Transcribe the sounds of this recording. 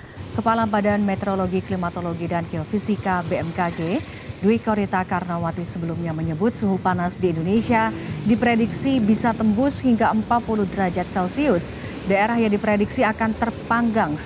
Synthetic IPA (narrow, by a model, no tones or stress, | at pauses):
kəpalabadanmɛt̪əɾoloɡiklimat̪oloɡidankeɔfisikabeɛmkaɡe | duikoɾit̪akarnawat̪isəbəlumɲaməɲəbʊt̪̚suɦupanasdiːndonesiadipɾediksibisat̪əmbʊshiŋɡaəmpat̪̚puluhdəɾad͡ʒat̪̚sɛlsiʊs | daeɾahjaŋdipɾediksiakant̪ərpaŋɡaŋ